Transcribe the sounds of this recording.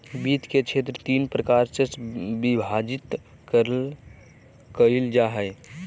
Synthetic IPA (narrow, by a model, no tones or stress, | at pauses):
biːt̪ket͡ʃʰeːt̪̬ɾət̪iːnpɾəkaːɾsebibʱaːd͡ʒɪt̪ | kəɾl | kəild͡ʒaɦə